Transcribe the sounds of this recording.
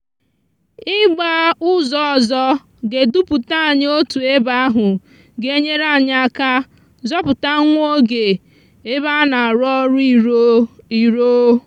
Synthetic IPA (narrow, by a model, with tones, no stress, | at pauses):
ɪ˦ɡ͡ba˦ʊ˦zɔ˦ɔ˨zɔ˦ | ɡe˨du˦pu˨ta˦˨ɲ˦o˦tu˨e˦ba˦a˦ɦʊ˨ | ɡe˦ɲe˦ɾa˦˨ɲ˦a˦ka˦ | zɔ˦pʊ˨ta˦ŋʷo˦ɡe˨ | e˦ba˦na˨a˨ɾɔ˦ɾi˦ | i˨ɾo˦